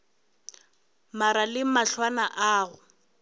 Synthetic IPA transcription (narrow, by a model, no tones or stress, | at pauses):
maɾalɪmaɬwanaʔaːɣʊ